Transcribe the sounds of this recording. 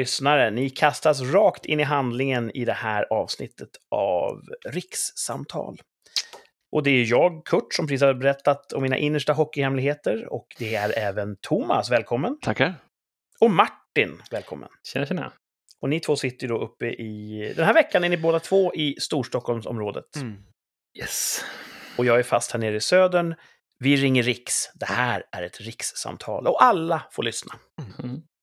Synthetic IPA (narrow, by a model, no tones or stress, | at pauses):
ʏsnaɾənɪkʰast̪as̬ɾɑːkt̪ʰɪ̰nːɪɦand̪lɪŋənɪd̪ɛhæːɾɑ̰ːvsnɪ̰t̪ʰːət̪ʔa̰vɾɪksːa̰mt̪ʰɑ̰ːl | ʔɔd̪ɛæɾjɑːɡkʰɵʈːʂɔmpʰɾsiːsaɾabɛɾɛt̪ːat̪ɔmːiːna̰ʔɪnːəʂʈaɦɔkːɪhɛmlɪɡheːt̪əɾɔ̰kd̪ɛæɾɛːvənt̪ʰʊma̰svɛːlkʰɔmːənt̪ʰakː | ɔmaʈːɪnvɛːlkʰɔ̰mːə̰nɛɛn̰ | ɔnɪt̪ʰvoːsɪt̪ːəjɖɔʔɵpːəʔɪd̪ɛnæɾvɛkːanæɳɪboːd̪at̪ʰvoːʔɪst̪uːʂʈɔkʰːɔlmsɔ̰mɾoːd̪ə̰t̪ | jɛs | ɔjɑːɡæɾfa̰st̪hæːɳeːɾəɪsøːd̪əɳ | vɪɾɪŋːəɾɪksd̪ɛhæːɾæɾɛt̪ɾɪksːa̰mt̪ʰɑ̰ːlɔʔalːafoːɭʏsna